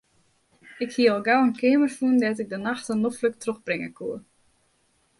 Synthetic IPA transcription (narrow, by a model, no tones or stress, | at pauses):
ɪkhiəɔlˠɡawənkʰɪəmərfuəndɛtɪk̚dənaxtənːoflək̚troxbrɪŋə̰kʰuə